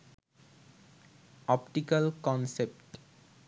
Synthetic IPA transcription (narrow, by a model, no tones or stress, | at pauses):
ɔpʈikəlkɔnsep̚ʈ